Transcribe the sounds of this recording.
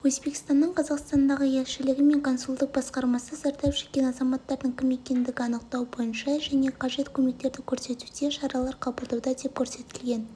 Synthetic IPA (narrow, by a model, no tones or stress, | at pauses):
wɵzbe̞kʲi̥st̪ɑnːəɴqʰɑzɑqst̪ɑnd̪ɑʁəje̞lʃɪlɪɡʲɪme̞ŋkʰo̞nsulˠd̪əq̚bɑsqɑɾmɑsəzæɾt̪ɑpʒe̥t̪kʲe̞nɑzɑmɑt̪ːɑɾd̪əɴkʲʰɪme̞kʲe̞nd̪ɪɡʲɪɑnəq̚t̪ɑwbo̞jənʃɑʒæne̞qʰɑʒe̞t̪kʲʰɵme̞k̚t̪e̞ɾd̪ɪkʲʰɵɾse̞t̪ud̪e̞ʃɑɾɑlˠɑɾqʰɑbəlˠd̪ɑwd̪ɑd̪e̞p̚kʲʰɵɾse̞t̪ɪlɡʲe̞n